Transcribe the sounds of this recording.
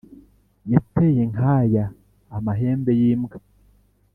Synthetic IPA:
jatːejeŋhajaː | maɦeːmbejiːmɡa

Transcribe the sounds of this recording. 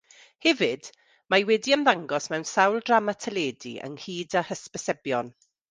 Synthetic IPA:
hɛvɨd̥ | majwɛdiəmðaŋɡɔsmɛwnsawlˠdramatʰəleːdḭʔə̰ŋhiːdahəspəsɛbjɔn

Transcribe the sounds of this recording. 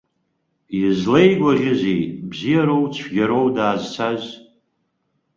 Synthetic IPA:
izlejɡʷaʁʲɪzejbzijaɾowt͡ɕʷʰɡʲaɾowdaːzt͡sʷʰaz

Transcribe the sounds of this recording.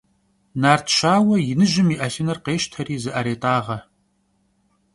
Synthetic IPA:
naːrtʰʃaːwɐjɪnɨʒɪmiːʔɐfɪnɐrqeːʃtʰɐɾiːzɨʔɐɾeːtʼaːʁɐ

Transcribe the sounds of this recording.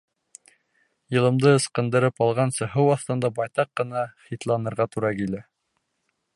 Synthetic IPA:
jɤ̆lˠɤ̆md̪ɤɤ̆sqɤ̆nd̪ɤ̆ɾɤpɑlˠʁɑnsɤ̆ɦɤwɑθt̪ɤ̆nd̪ɑbɑjt̪ɑqːɤ̆nɑχit̪lˠɑnɤ̆ɾʁɑt̪uɾɑkilæ

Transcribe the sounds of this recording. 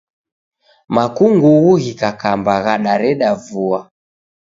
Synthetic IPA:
makuŋɡuɣuɣikakambaɣaɗaɾɛɗavua

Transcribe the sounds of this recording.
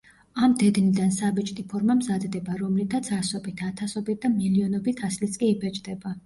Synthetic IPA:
amd̪ɛd̪nid̪ansabɛt͡ʃʼt̪ʼipʰɔɾmamzad̪d̪ɛbaɾɔmlit̪ʰat̪sʰasɔbit̪ʰat̪ʰasɔbit̪̚d̪amiliɔnɔbit̪ʰaslit̪sʼkʼiːbɛt͡ʃʼd̪ɛba

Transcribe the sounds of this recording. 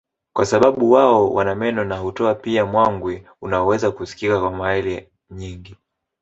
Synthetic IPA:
kwasaɓaɓuwaɔwʔa̰namɛnɔnaɦutɔapiamwaŋɡwɛ | unaɔwɛzakusi̥kikakwamaɛlɛ | ɲiŋɡi

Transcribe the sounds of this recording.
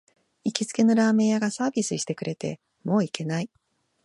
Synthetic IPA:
ikʲit͡sɨ̥ke̞noɾaːmẽ̞ɰjaɡasaːbʲisɨɕi̥t̪e̞kɯ̟ɾʔe̞t̪e̞̰ | mo̞ːikʰe̞nai

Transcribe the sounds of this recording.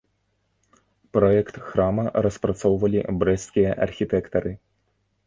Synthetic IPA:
pɾɔɛkt̪xɾamɐɾɐspɾat̪sɔwvɐlʲibɾɛskʲijɐʔɐ̰rxʲit̪ɛkt̪ɐɾɨ

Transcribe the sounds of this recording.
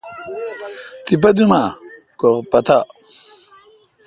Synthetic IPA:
t̪ip̬ɐd̪uma | koʁpɐt̪a

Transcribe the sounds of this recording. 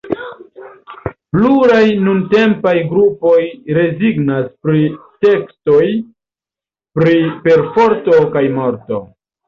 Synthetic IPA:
pluɾajnunte̞mpajɡɾupo̞jɾe̞ziɡnaspɾite̞ksto̞j | pɾipe̞ɾfo̞ɾto̞kajmo̞ɾto̞

